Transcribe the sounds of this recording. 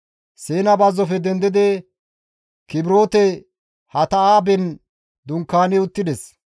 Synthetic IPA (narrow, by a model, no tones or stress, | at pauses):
seːnɐbɐzːɔfɛd̪ɛnd̪ɪd̪ɛ | kɪbɪɾo̞ːt̪ɛ | hɐt̪ɐaːbɛn | d̪ʊŋkːaːnɛʊt̪ːɪd̪ɛs